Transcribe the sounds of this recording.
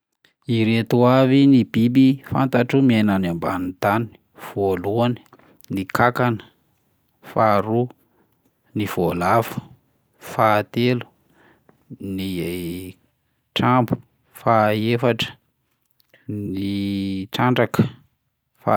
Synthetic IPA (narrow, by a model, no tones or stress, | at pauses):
iɾet̪uavinib̥ibifa̰nt̪aʈ͡ʂumiananamba̰nit̪ani̥ | v̥oluani̥ | nikakanə̥ | faɾu | niv̥olavu̥ | faːt̪elu̥ | nie | ʈ͡ʂambu̥ | faefaʈ͡ʂə̥ | niʈ͡ʂaɳɖ͡ʐakə̥ | fa